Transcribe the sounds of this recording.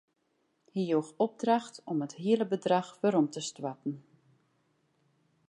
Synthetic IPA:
hijoːxɔb̚draxtɔməthiələbədraxʋəɾɔmtəstwatn̩

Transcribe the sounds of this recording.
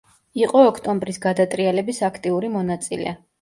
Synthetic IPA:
iqʼɔːkʰt̪ʼɔmbɾisɡad̪at̪ʼɾialɛbisakʰt̪ʼiuɾimɔnat̪sʼḭlɛ̰

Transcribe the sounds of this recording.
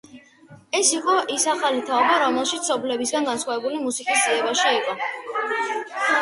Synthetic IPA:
ɛsiqʼɔʔisaχalit̪ʰaɔbaɾɔmɛlˠʃit̪sɔblɛbisɡanɡansχwavɛbulimusikʼisd̪ziɛbaʃiiqʼɔ

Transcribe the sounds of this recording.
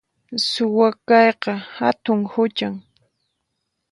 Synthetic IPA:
sʊwakɑjqɑhat̪ʊŋhʊt͡ʃaŋ

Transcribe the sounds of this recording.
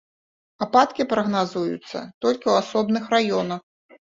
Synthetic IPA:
apat̪kʲipɾɐɣnazujṵt̪sːɐ̰t̪ɔlʲkʲiwasɔbnɨxrajɔnɐx

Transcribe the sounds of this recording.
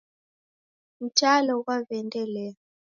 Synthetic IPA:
m̩t͡ʃalɔɣwavɛndɛlɛ

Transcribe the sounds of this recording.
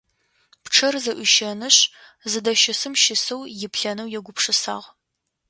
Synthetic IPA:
pʈ͡ʂʰɐrzɐʔʷʊʃɐnɨɕ | zɨdɐʃɪsɨmʃɪsɨwjɪpɬɐnɐwjɛɡʷʊpʂɨsaːʁ

